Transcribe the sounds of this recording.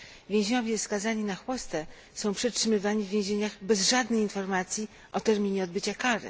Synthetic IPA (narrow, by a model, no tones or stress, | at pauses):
vʲjẽʑɲɔvʲjɛfskazaɲinaxwɔst̪ɛ | sɔ̃w̃pʂɛtʂɘmɘvaɲivːʲjẽw̃ʑeɲaɣbɛzʐad̪nɛjinfɔɾmat̪sʲji | ʔɔt̪ɛɾmʲiɲɛɔd̪̚bɘt͡ɕakaɾɘ̰